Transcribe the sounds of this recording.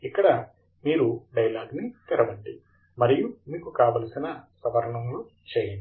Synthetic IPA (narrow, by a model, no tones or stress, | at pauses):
ikːɐɽɐ | miːɾuɖɐjlaːɡnit̪iɾɐʋɐɳɖi | mɐɾijumiːkukaːʋɐlɐsinɐsɐʋɐɾɐɳɐmlu | t͡ʃɛːjɐni